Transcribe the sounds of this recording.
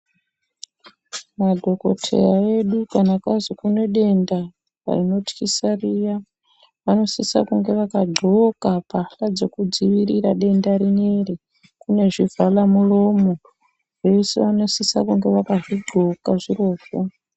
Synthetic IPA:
madʱo̞ko̞̰tʰe̞̰jae̞ɗukanakazokune̞ɗe̞nda | ra̰rino̞tkisarija | ʋano̞sisa̰kuŋɡe̞ʋakaɡ͡ǃʱo̞kapaɬad͡ze̞kud͡ziʋiriɾaɗe̞ndaɾine̞re | kune̞ʐivʱalamulo̞mo | ʐe̞sḛʋano̞sisakuŋɡe̞ʋakaʐiɡ͡ǃʱo̞kaʐiro̞ːko

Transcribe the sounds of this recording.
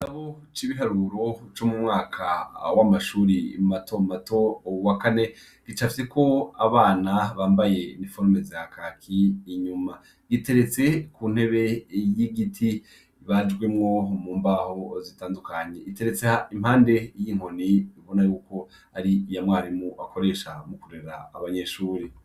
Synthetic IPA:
naβo | t͡ʃiβiɦaɾuɾo̞t͡ʃomumŋaːkʰawamaʃuːɾimatʰo̞mato̞wakane̞ | ɡ̥it͡ʃafiseko̞aβaːnaβaːmbaje̞nifoɾmezakʰakʰiːɲuma | ɡ̥ite̞ɾe̞t͡se̞kuːn̥he̞βejiɡitʰi | βad͡ʒɡwe̞mŋo̞muːmbaho̞zitaːndukaɲe̞ite̞ɾe̞t͡sehaimhaːnde̞jiːŋ̥o̞niiβo̞najuːko̞ | aɾijamwaːɾimuʔakoɾe̞ːʃamukuɾeɾaːβaɲe̞ʃuːɾi

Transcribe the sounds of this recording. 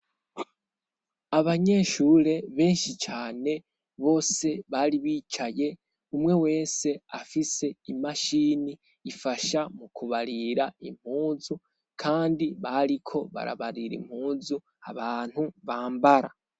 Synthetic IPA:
aβaɲe̞ʃuːɾe̞βe̞ːnʃit͡ʃaːne̞ | βo̞ːse̞βaɾiβiːt͡ʃaje̞ | umŋe̞we̞ːse̞afise̞imaʃiːniː | faʃamukuβaɾiɾaim̥huːzu | kʰaːndiβaɾikʰo̞βa̰ɾa̰βaɾiɾḭm̥huːzu | a̰βaːn̥huβaːmbaɾa̰

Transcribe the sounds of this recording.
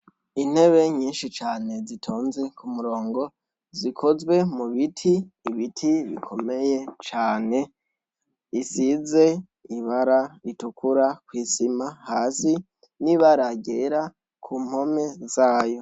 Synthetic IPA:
in̥he̞βe̞ɲiːnʃit͡ʃaːne̞zitʰo̞ːnze̞kumuɾo̞ːŋɡo̞ | zikʰo̞zɡwe̞muβitʰiːβitʰiβḭkʰo̞me̞je̞t͡ʃaːne̞ | isize̞ | iβaɾaitukuɾakwiːsimahaːsi | niβaɾaɡeɾa | kʰum̥ho̞me̞zaːjo̞

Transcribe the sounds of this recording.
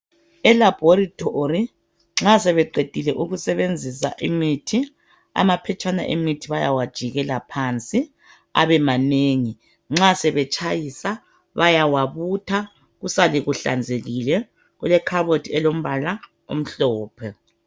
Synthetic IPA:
ɛlab̥ʱoritʰʼori | ŋ͡ǁasɛβɛǃed̥ʱilɛʔuɣusɛβend͡zʱisa̰ʔimitʰi | a̰mapʰɛt͡ʃʼana̰ʔemitʰiβajawad̥ʒ̥ʱiɣɛlapʰant͡sʼi | a̰βɛmaneːŋi | ŋ͡ǁasɛβɛt͡ʃʼajisa | βajawaβutʰa | ɣusaliɣuɬa̰nd͡zʱeɣilɛ | ɣulɛkʰaβotʰʼiɛlom̩βala | o̰m̩ɬɔːpʰɛ

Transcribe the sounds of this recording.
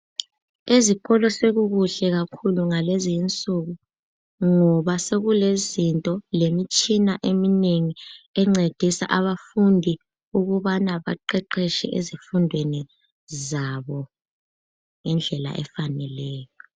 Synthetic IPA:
ezikɔlɔseɣuɣuɬɛɣakʰuluŋalezint͡sʼuɣu | ŋɔβaseɣulezintʼɔlemit͡ʃʼinaʔemineŋiɛŋ͡ǀed̥ʱisa̰ʔaβafundʱi | uɣuβanaβa̰ǃɛǃʰɛʃɛ̰ʔezifundʱweni | zaβɔ | ŋɛnd͡ɮʱɛla̰ʔɛ̰fanɛlɛːjɔ

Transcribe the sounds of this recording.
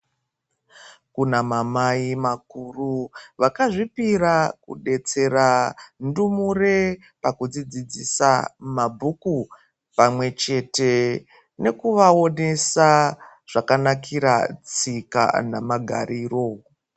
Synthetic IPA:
kunamamaimakuruʋakaʐipirakṵɗe̞t͡se̞randumure | pakud͡zid͡zid͡zisamabʱuku | pamwe̞t͡ʃe̞te̞ | ne̞kuʋao̞ne̞sa | ʐ̥akanakʰiɾa̰t͡sika̰namaɡʱa̰ɾiro

